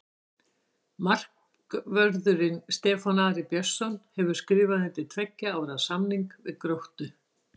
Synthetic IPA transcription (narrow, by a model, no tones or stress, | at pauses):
mar̥k | vœɾðʏɾɪnst̪ɛːfanaːðɾɪpjœsːɔnhɛvʏɾ̥skɾɪːvaðnɪt̪ɪt̪ʰvɛcːaawvɛɾaðsamniŋkvɪ̰ðkɾowht̪ʏ